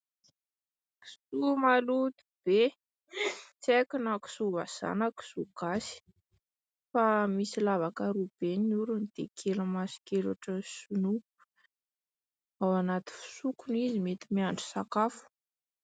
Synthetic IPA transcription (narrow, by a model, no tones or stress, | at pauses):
ki̥sumalut̪i̥b̥e | t͡sekunaki̥suva̰z̥a̰naku̥suɡ̥asi̥ | famisilavakaɾub̥enuɾunid̪̥ḛkʰelamasi̥kela̰ʈ͡ʂəsunu | awanat̪i̥fu̥sukunizimet̪imiaɳɖ͡ʐu̥sakafu̥